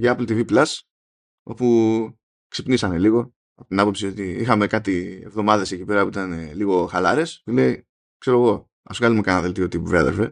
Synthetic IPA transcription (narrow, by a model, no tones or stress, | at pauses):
ʝɐplt̪iviplɐs | o̞pu | ksepnisɐne̞liɣo̞ | ɐpo̞t̪inɐpo̞psio̞t̪iixɐme̞kɐt̪ie̞̰vðo̞mɐðe̞se̞cipeɾɐpuit̪ɐneliɣo̞xɐlɐɾe̞st̪ule̞i | kse̞ɾoɣo̞ | ɐ̰sɣɐlumekɐnɐðelt̪iot̪ipuvɾiɐ̰ðeɾfe